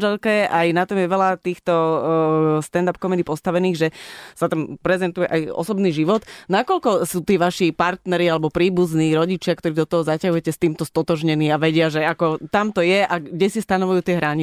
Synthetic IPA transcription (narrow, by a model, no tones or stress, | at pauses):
ʒɛlkɛajnat̪ɔmjɛʋɛlat̪iːxt̪ɔ | st̪ɛnd̪ap̚kɔmɛd̪iːpɔst̪aʋɛniːɣʒɛsat̪ampɾɛzɛnt̪ujɛʔajɔ̰sɔbniːʒiʋɔt̪nakɔʎkɔsuːt̪iːʋaʃipaɾt̪nɛɾialɛbɔpɾiːbuzniːɾɔɟit͡ʃɪakt̪ɔɾiːd̪ɔt̪ɔɦɔzacaɦujɛcɛst̪iːmt̪ɔst̪ɔt̪ɔʒɲɛniːaʋɛɟɪaʒɛakɔt̪amt̪ɔjɛʔaɡɟɛsist̪anɔʋujuːt̪ɪɛɦɾaɲi